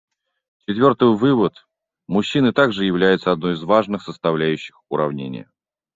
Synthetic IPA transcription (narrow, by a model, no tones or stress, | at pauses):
t͡ɕɪt̪vʲo̞rt̪ɨjvɨvət̪ | mʊɕːinɨt̪aɡʐɨjɪvlʲæjɪt̪səɐd̪̚no̞jɪzvaʐnɨxsəst̪ɐvlʲæjʉɕːɪxʊɾɐvnʲḛnʲɪ̰jə̰